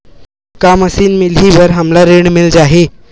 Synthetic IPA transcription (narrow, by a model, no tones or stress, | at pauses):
kaməsiːnmilɦiʋəɾɦamlaɾeɳmild͡ʑaɦe